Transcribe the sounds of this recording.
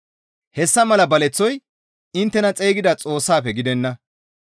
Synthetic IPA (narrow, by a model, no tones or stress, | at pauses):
hɛsːɐmɐlɐbɐlɛt͡sːɔj | ɪnt̪ːɛnɐt͡sʼeːɡɪd̪ɐt͡sʼo̞ːsːaːpɛɡɪd̪ɛnːɐ